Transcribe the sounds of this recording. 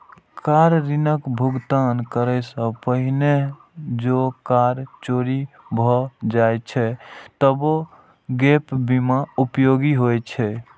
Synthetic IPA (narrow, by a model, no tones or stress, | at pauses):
kaɾɾinəkbʱuɡt̪ankəɾəsə̃pəɦine | d͡ʒokaɾt͡ʃoɾibʱɔd͡ʒajt͡ʃʰɛt̪əbo | ɡepbimaupjoɡiɦojt͡ʃʰɛ